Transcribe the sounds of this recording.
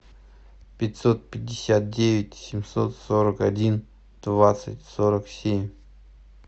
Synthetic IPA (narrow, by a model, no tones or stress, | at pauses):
pʲɪtʲsot̪̚pʲɪdʲːɪsʲat̪̚dʲevʲɪtʲsʲɪmʲso̰t̪soɾəkɐdʲin | d̪̥vat̪sɨtʲsoɾəksʲemʲ